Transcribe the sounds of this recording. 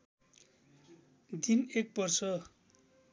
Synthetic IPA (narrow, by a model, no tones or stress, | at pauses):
d̪inek̚bʌrt͡sʰʌ